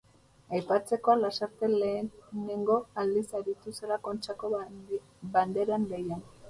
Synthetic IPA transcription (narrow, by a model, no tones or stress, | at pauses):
ajpat͡se̞ko̞alasaɾt̪e̞leːne̞ŋɡo̞ald̪isaɾit̪use̞lako̞nt͡ʃako | band̪e̞ɾaŋɡejan